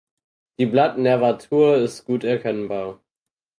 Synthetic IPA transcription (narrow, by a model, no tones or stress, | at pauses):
d̥iːblatnɛɐvatʰuːɐɪstɡ̥uːtɛɐkʰɛnbaːɐ